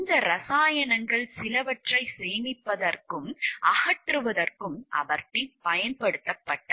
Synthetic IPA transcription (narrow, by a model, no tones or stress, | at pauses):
ɪnd̪ɐɾɐsaːjɐnɐŋɡɐɭsɪlɐʋɐʈrɐɪseːnɪpːɐðɐrkɯmʔɐhɐʈrɯʋɐðɐrkɯmɐ̰ʋɐɾʈːipɐjɐnpɐɽɯt̪ːɐpːɐʈːɐ